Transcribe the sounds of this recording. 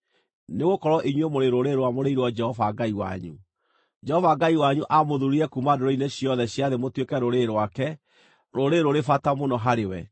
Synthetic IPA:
neɣokɔɾwɔʔiɲwemoɾeɾoɾeɾwamoɾeiɾwɔd͡ʒɛhɔvaɡaiwa̰ɲṵ | d͡ʒɛhɔvaɡaiwaɲuʔamoðuɾiɾɛkumadoɾɔineɕiɔðɛɕjaðemotwekɛɾoɾeɾwakɛ | ɾoɾeɾoɾefatamonɔɦaɾewɛ̰

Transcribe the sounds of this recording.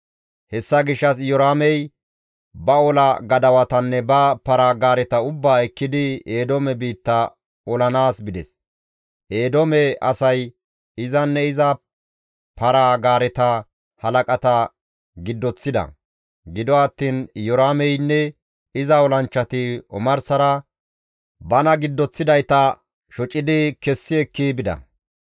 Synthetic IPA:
hɛsːɐɡɪʃːɐsjɔɾaːmɛj | bɐɔlɐɡɐd̪ɐwɐt̪ɐnːɛbɐpɐɾaːɡaːɾɛt̪ɐʊbːaːɛkːɪd̪ɪeːd̪ɔmɛbiːt̪ːɐ | ɔlɐnaːsbɪd̪ɛ̰s | ʔe̞ːd̪ɔmɛɐsɐj | ɪzɐnːɛɪzɐ | pʰɐɾaːɡaːɾɛt̪ɐ | hɐlɐkʼɐt̪ɐ | ɡɪd̪ːɔt͡sːɪd̪ɐ̰ | ɡɪd̪ɔɐt̪ːiːnjɔɾaːmɛjnːɛ | ɪzɐɔlɐnt͡ʃːɐt̪ɪɔ̰mɐɾsɐɾɐ | bɐnɐɡɪd̪ːɔt͡sːɪd̪ɐjt̪ɐ | ʃɔt͡ʃʼːɪd̪ɪkɛsːɪɛkːibɪd̪ɐ̰

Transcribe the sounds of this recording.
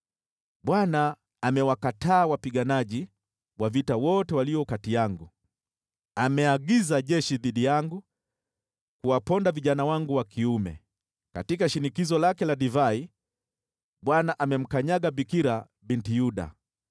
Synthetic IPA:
ɓwanaː | mɛwakataːwapiɠanaʄi | wavitawɔtɛwaliɔkatijaŋɡu | amɛaɡizaʄɛʃiðiɗijaŋɡu | kuwapɔndaviʄanawaŋɡuwakʰiumɛ̰ | katikaʃinikizɔlakɛlaɗivai | ɓwanaʔamɛm̩kaɲaɠabikiɾa | bintijuɗa̰

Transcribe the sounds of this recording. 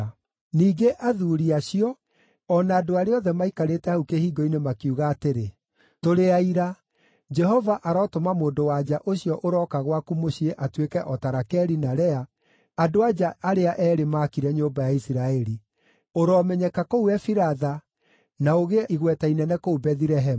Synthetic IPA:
niːɡeʔaðuɾiaɕiɔ | ɔnaːdoaɾeɔðɛmaikaɾetɛhaukehiːɡɔinemakiuɣaːteɾe | toɾeaiɾa | d͡ʒɛɦɔvaʔaɾɔːtomamoːndowad͡ʒaʔoɕiɔʔoɾɔːkaɣwakumoɕieʔatwekɛʔɔtaɾakɛɾinaɾɛa | adoad͡ʒaaɾeaʔɛːɾemaːkiɾɛɲombajaisiɾaɛɾi | oɾɔːmɛɲɛkakouɛfiɾaða | naoɣeiɣwɛtainɛnɛkoubɛðiɾɛɦɛm

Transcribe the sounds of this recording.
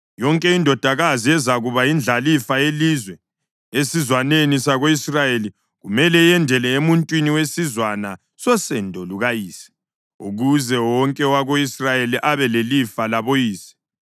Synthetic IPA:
jɔŋkʼɛindʱɔd̥ʱaɣaziɛzaɣuβaind͡ɮʱalifajelizwɛ | esizwanenisaɣoisrajeli | ɣumɛlɛjɛndʱɛlɛemuntʼwiniwesizwana | sɔsɛndʱɔluɣajiːsɛ̥ | ṵɣuzɛwɔŋkʼɛwaɣoisrajeliʔaβɛlelifalaβojiːsɛ̥

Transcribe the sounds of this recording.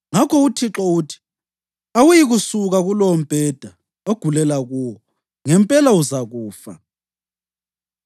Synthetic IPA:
ŋakʰɔutʰiǁɔuːtʰi̥ | awujiɣusuɣaɣulom̩b̥ʱɛd̥ʱa | oɡ̥ʱulɛlaɣuːwɔ | ŋɛmpʼɛlauzaɣuːfa̰

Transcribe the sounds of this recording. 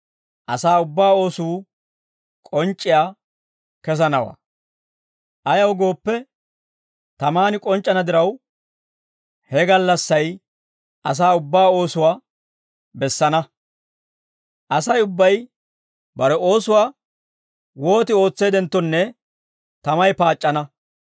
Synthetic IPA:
ʔɐsaːʊbːaːo̞ːsuː | kʼɔnt͡ʃʼːɪjaː | kɛs̬ɐnɐwa̰ː | ʔɐjɐwɡo̞ːpːɛ | t̪ɐmaːnɪkʼɔnt͡ʃʼːɐnɐd̪ɪɾɐw | hɛɡɐlːɐsːɐj | ʔɐs̬aːʊbːaːo̞ːsʊwaː | bɛsːɐnɐ | ʔɐsɐjʊbːɐj | bɐɾɛo̞ːsʊwaː | wo̞ːt̪ɪo̞ːt͡sːe̞ːd̪ɛnt̪ːɔnːɛ | t̪ɐmɐjpaːt͡ʃʼːɐnɐ

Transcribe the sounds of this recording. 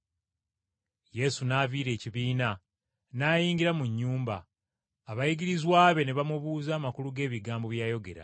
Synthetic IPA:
je̞sunaːviːɾe̞ːciβiːna | naːjiːɲɟiɾamuɲːuːmba̰ː | βajiɡiɾizwaːβe̞ne̞βamuβuːzaːmakuluɡe̞ːβiɡaːmbo̞βjaːjo̞ɡe̞̰ɾa̰

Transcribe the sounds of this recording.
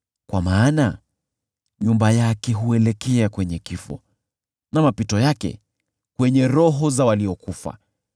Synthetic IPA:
kwamaːna | ɲumbajakɛɦuɛlɛkɛakwɛɲɛkifɔ̰ | namapitɔjakɛ̰ | kwɛɲɛɾɔɦɔzawaliɔkufa̰

